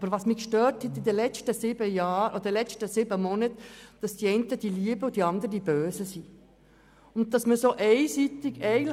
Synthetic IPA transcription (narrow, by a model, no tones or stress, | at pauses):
ɑb̥əɾʋɑːsmikʃtøːɾthɛt̪id̪əlɛt͡ʃtəsɪbəjɑːɾʔɔədɛlɛt͡ʃtəsɪbəmɔnət̪d̥ɑsd̥iɛɪntəd̥iliəbəʊd̥̪iɑnd̪əɾədibøːsəsi | ʊnt̚d̥ɑsməsoːʔɛɪsit̪ɪɡɛɪ